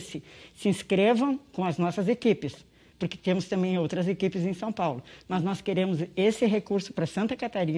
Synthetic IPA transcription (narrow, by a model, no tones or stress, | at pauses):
sɪsɪĩskɾevɐ̃w̃kõw̃ɐznɔsɐzekipɪs | pʊɾkɪ̥t̪ẽmʊst̪ɐ̃mbẽj̃owt̪ɾɐzekipɪzẽj̃sɐ̃w̃pawlʊnɔznɔskeɾẽmʊzesɪɦekuɾsʊ̥pɾɐsɐ̃nt̪ɐkat̪aɾĩ